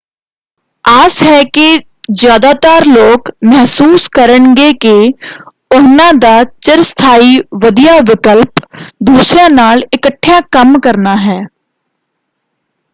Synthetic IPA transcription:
aːsɦɛke | zjaːd̪aːt̪aːɾloːkmɛɦsuːskəɾəɳɡeke | ʊɦnãd̪aːt͡ʃəɾst̪ʰaːiʋəd̪ijaʋɪkəlpd̪uːsɾãnaːlɪkəʈʰːjãkəmkəɾnaɦɛː

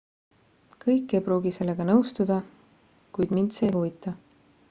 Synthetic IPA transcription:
kɤjkːˑe̞jprɾuːɡ̥ise̞lːe̞ɡ̥ɑnɤwst̪ud̪̥ɑ | kujd̪̥mint̪se̞ːjhuvit̪ːˑɑ

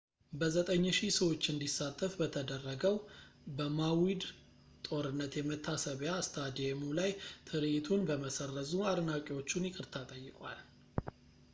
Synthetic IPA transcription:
bəzət̪ʼəɲːʃisəwo̞t͡ʃːɨnd̪isːat̪ʼːəfbət̪ʰəd̪ərːəɡəw | bəmawid̪ | t̪ʼo̞ɾɨnːət̪jɛmət̪ʰːasəβjast̪ʰad̪emulajt̪ʰɨɾɨjt̪ʰunbəməsərːəzuad̪nakʼiwo̞t͡ʃːunjɪkʼɨɾt̪ʰat̪ʼəjːɪkʼwa̰l

